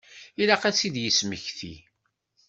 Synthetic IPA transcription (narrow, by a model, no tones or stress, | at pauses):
ilæqæt͡sːid̪jəsməçθḭ